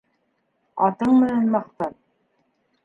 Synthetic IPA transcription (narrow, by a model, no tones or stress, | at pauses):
ɑ̰t̪ɤɴmɘ̆nænmɑqt̪ɑɾ